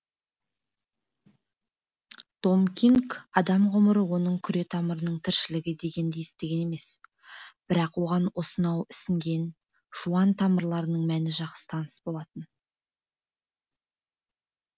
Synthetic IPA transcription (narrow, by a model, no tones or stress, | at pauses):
d̪̥o̞mkʲiŋkɑd̪ɑmʁʊməɾəwo̞nəɴkʲʰʏɾe̞t̪ʰɑməɾənəɴt̪ʰɪɾʃɪlɪɡʲɪd̪e̞ɡʲe̞nd̪e̞jest̪e̞ɡʲe̞ne̞me̞s | b̥ɪɾɑqwo̞ʁɑnwo̞sənɑwɪsɪŋɡʲe̞n | ʒ̥uɑnt̪ʰɑməɾlˠɑɾənəɴmænɪʒɑq̪ə̥t̪ʰɑnəsbo̞lˠɑt̪ən